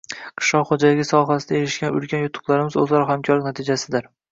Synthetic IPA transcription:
qʰɨ̥ʃlˠɒqχod͡ʒalɪɡʲɪsɒɦasɪd̪aeɾɪʃkʲanʊ̰lkʲʰanjʊt̪ʰːʊ̥qlˠaɾɪmɪzɵzlaɾɒhamkʰɒɾlɪkʲnat̪ʰɪd͡ʒasɪd̪ɪɾ

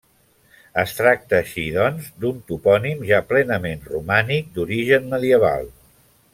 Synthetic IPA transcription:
əst̪ɾak̚t̪əːʃiðɔnzd̪unt̪upɔnimʒaplɛnəmenrumanik̚d̪uɾiʒənməðiəβ̞a̰lˠ

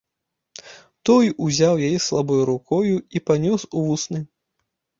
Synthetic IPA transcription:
t̪ɔjuzʲawjajɛslˠabɔjuɾukɔjuipanʲɔsuvusnɨ

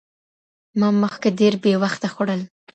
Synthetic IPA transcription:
mɑməxkaɖeɾbewaxt̪axoɽəl

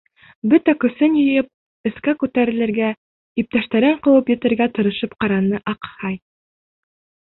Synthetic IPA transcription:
bɵt̪ækɵ̆sɘnjɤ̆jɤp̚ | ɘ̆skækʉt̪æɾɘ̆lɘ̆ɾɡæ | ip̚t̪æʃt̪æɾɘɴqɤ̆wɤpjɘ̆t̪ɘ̆ɾɡæt̪ɤ̆ɾɤ̆ʃɤpqɑɾɑnːɤʔɑqhɑj

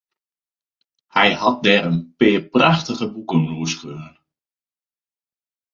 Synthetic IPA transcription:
hɛjhɔt̚dɛːɾənpɪːpraxtəɣəbukənnuəskøːnən

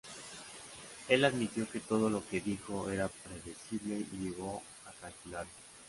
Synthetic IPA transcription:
e̞laðmit̪jo̞ke̞t̪o̞ð̞o̞lo̞ke̞ðixo̞e̞ɾapɾe̞ðesiβle̞iʝeɣ̞o̞ | akalkulaɾe

